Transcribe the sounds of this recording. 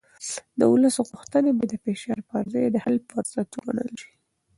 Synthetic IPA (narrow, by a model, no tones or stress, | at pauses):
d̪ə̰wʊləsoɣʊxt̪ənebad̪əfeʃɑɾpaɾzajd̪əhalpʊɾzat̪ɡa̰nə̰lʃi̥